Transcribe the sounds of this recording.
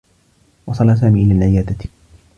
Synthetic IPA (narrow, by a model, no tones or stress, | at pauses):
wɑsˤɑlaːs̬aːmiːʔɪlaːlʕɪjaːd̪a